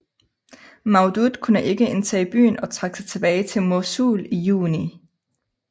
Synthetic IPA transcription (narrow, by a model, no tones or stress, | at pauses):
mɑ̈ʊd̥ud̥kʰunəʔe̝ɡ̥əe̝nt͡sʰɛ̰ːib̥y̰ːn̩ɒ̽t͡sʰʁɑ̈ɡ̥əsɑ̈ɪt͡sʰe̝b̥ɛːɪt͡sʰe̝lmosuːlijṵːni